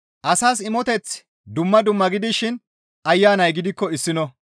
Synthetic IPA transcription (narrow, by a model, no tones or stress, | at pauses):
ʔɐsaːsɪmɔt̪ɛt͡s | d̪ʊmːɐd̪ʊmːɐɡɪd̪ɪʃɪn | ɐjːaːnɐjɡɪd̪ɪkːɔɪsːɪnɔ